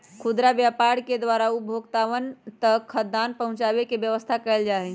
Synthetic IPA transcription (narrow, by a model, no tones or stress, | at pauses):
kʰud̪ɾabjapaɽked̪ʋaɾaubʱoɡt̪aʋənt̪əkʰːəd̪anpəɦũt͡ʃabekebjəʋəst̪ʰakəɪld͡ʒaɦɛn